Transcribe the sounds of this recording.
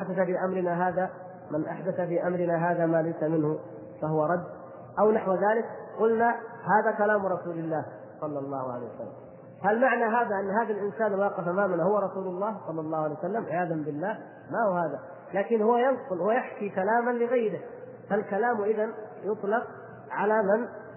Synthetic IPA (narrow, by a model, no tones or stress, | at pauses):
ʔaħd̪aθafiːʔamɾɪnaɦaːða | mɪnʔa̰ħd̪aθafiːʔamɾɪnaɦaːðamaːlajsamɪnhʊ | fahʊwaɾˤɑd̪ː | ʔawnaħwaðaːlɪkqʊlnahaːðakalaːmɾˤɑsuːlɪlːaːh | sˤɑlːɑlˤːɑːhʊʕa̰lajwa̰sa̰lːa̰m | halmaʕnaɦaːðaʔanːɦaːðalʔɪnsaːnlwɑːqɪfʔamaːmanahʊwaɾˤɑsuːlʊlˤːɑːhsˤɑlːɑlˤːɑːhʊʕlejwasalːamʕɪjaːðambɪlːaːh | mahʊhaːða | laːkɪnhʊwajɑnsʊlhʊwajaħkikalaːmanlɪɣajɾɪ | falkalaːmʔɪðanjʊt̪ˤlɑq | ʕalaman